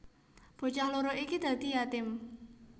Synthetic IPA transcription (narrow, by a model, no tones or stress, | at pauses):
b̥o̤t͡ʃaŋloɾoʔikid̪̥ä̤d̪̥i̤jat̪ɪm